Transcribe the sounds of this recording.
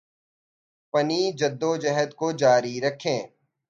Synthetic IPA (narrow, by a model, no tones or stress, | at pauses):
pɐniːd͡ʒɐd̪ːod͡ʒɛɦəd̪kod͡ʒaːɾiɾɐkʰẽː